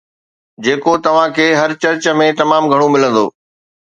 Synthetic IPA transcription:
d͡ʑeːkot̪ɐʋ̤ãkʰeːɦɐɾt͡ɕɐɾt͡ɕə̆mẽt̪ɐmaːmɡʱɐɽ̃õmɪlə̃nd̪oː

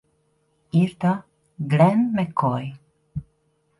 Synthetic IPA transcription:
iɾt̪a | ɡlɛnmekʰoj

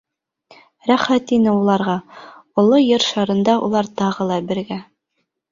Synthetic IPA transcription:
ɾæχæt̪inɘulˠɑɾʁɑulˠojɤɾʃɑɾɤ̆nd̪ɑṵlˠɑɾt̪ɑʁɤlˠɑbɘ̆ɾɡæ

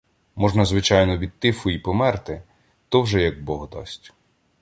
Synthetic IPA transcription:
mɔʒnɐzʋɪt͡ʃɑjnɔʋʲid̪̚t̪ɪfʊipɔmɛrt̪ɪ | t̪ɔwʒɛjɐɡ̚bɔɦɔd̪ɑ̰sʲtʲ

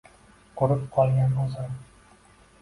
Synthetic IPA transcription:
qʰoɾɨp̚qʰɒlˠɡʲanʊzaɾ

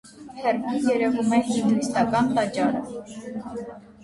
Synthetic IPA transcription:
hʰɛɾɡijɛɾɛvumɛhimist̪ɑkɑnt̪ɑt͡ʃɑɾə̰

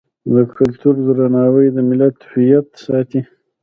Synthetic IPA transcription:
d̪əkʰʊlt̪uɾd̪əɾanɑwəjd̪əmɪlat̪ːfijat̪ːsɑt̪i

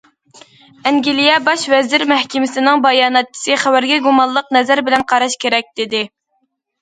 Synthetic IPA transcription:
ɛŋɡʲilijɛbɑʃvɛzɪɾmæhkʲɪmɪsɪnɪŋbɑjɑːnɛt̪̚t͡ʃʰːi̥sɨχæwæɾɡʲɛɡumɑlˠːəqnɛzæɾbɪlɛnqʰɑɾɑʃkʲʰeɾɛk̚ʲd̪̥ɪd̪ɪ

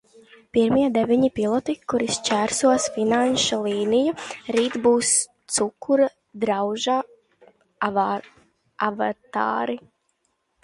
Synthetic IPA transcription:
piɾmiɛd̪ɛvʲiɲipilˠɔt̪ikuɾist͡ʃæɾsuɔsfinanʃalˠiːnijaɾiːt̪buːst̪sukːuɾa | d̪ɾawʒaː | avat̪a̰ːɾi

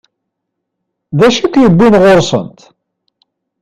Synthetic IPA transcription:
ðæʃækʷːjəbːinʁoɾsˤə̰nt̪

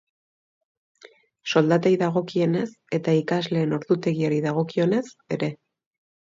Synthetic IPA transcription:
so̞ld̪at̪ajðaɣ̞o̞kie̞ne̞s | e̞t̪aikazle̞ːno̞ɾðut̪e̞ɣiaɾiðaɣ̞o̞kio̞ne̞se̞ɾe̞

